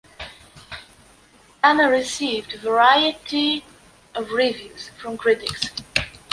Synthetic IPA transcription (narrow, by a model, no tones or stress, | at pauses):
ænəɹɪsivdvə˞aɪɨti | ʌvɹivjʉz̥fɹʌ̃mkʰɹ̥ɪɾɪks